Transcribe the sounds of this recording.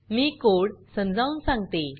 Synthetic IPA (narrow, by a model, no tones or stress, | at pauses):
miːkoɽsə̃md͡zaũnsãŋɡt̪e